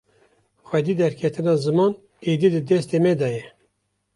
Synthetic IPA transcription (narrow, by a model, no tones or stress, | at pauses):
xwɛd̪iːd̪ɛɾkʰɛt̪ʰɨnɑːzɨmɑːn | eːd̪id̪ɨd̪ɛst̪eːmɛd̪ɑjɛ